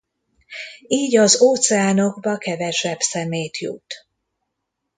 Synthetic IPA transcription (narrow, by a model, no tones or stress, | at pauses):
iːɟɒzoːt̪sɛaːno̞ɡbɒkɛvɛʃɛbsɛmejt̪jṵt̪